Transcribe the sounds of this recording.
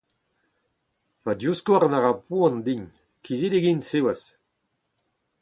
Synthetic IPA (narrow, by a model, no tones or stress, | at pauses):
pad̪juskɔaʁnaʁapuɑ̃nd̪iɲ | kizideɡinsewas